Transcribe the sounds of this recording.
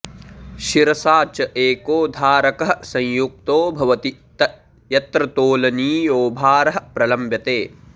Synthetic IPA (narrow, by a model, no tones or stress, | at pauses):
ʃiɾɐsaːt͡ʃɐʔeːkoːd̪ʱaːɾɐkɐɦɐ̆sɐ̃jjuk̚t̪oːbʱɐʋɐt̪it̪ɐ | jɐt̪ɾɐt̪oːlɐniːjoːbʱaːɾɐɦɐ̆pɾɐlɐmbjɐt̪eː